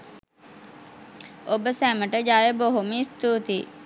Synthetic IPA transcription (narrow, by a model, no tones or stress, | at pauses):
obəsæːməʈəd͡ʒaːjeboɦomiːst̪uːt̪iː